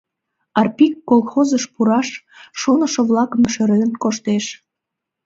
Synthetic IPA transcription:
ɑrpikːolˠxozəʃpuɾɑʃː | onəʃəβlɑkəmʃeɾenkoʃt̪eʃ

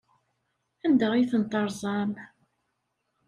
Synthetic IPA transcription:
ænd̪əʁiθənt̪ˤːəɾˤzˤɑm

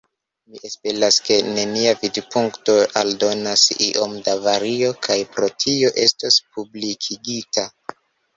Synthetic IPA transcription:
miʔespe̞ɾaske̞ne̞niavidpuŋkto̞aldo̞nasḭʔomdavaɾio̞kʰajpɾo̞tʰio̞ʔe̞staspublikʰiɡitʰa

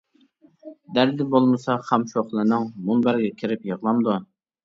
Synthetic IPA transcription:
d̪æɾd̪ɪbolˠmɨsɑχæmʃoχlˠɨnɨŋmunbæɾɡʲɛkʲʰɪɾɪpjəʁlˠɑmd̪u

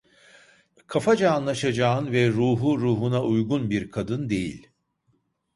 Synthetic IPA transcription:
kʰafad͡ʒaːnlˠaʃad͡ʒaːɯnvɛɾuːɦuɾuːɦunaʔujɡunbiɾkʰad̪ɯnd̪e̞jḭlʲ

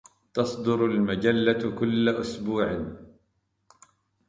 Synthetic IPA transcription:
t̪ɑsˤd̪ʊɾalmad͡ʒalːakʊlːaʔʊsbuːʕɪ

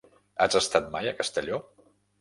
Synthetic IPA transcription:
at͡səst̪at̪̚majəkəst̪əʎɔ

